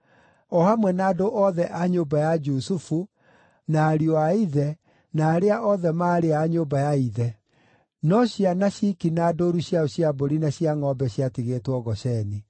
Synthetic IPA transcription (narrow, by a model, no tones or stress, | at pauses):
ɔhamwɛnaːdoʔɔðɛʔaɲoːbajad͡ʒusufu | naːɾiɔaiðɛ | naːɾeaʔɔðɛmaːɾeaɲoːbajaiðɛ | nɔɕjanaɕikinaːdoɾuɕjaoɕjaboɾinaɕiaŋɔbɛɕiatiɣeːtwɔɣɔɕɛni